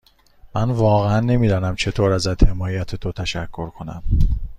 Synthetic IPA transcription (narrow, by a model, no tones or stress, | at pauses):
mænvɒːɣeænːe̞miːd̪ɒːnæmt͡ʃʰe̞t̪ʰoːɾæzæd̪̥he̞mɒːjæt̪ʰet̪ʰot̪ʰæʃækʰːo̞ɾkʰo̞næ̰m